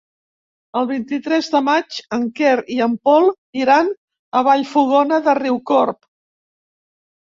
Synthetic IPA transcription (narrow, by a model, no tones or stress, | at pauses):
əlˠβ̞int̪it̪ɾɛzðəmat͡ʃəŋkɛɾiəmpɔlˠ | iɾan | əβaʎfuɣɔnəðəriwkɔrp